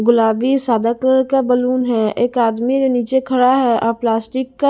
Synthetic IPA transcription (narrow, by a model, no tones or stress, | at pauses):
ɡʊlaːbisaːd̪akləɾkabəluːnɦɛeːkaːd̪mid͡ʒoniːt͡ʃekʰɐɽaɦɛɔːplaːsʈɪkːa